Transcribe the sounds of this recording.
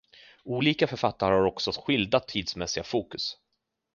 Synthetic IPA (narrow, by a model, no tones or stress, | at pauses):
uːliːkafœɾfat̪ːaɾhaɾɔksɔɧʏld̪at̪ʰːiːd̪smɛsːɪɡafuːkɵs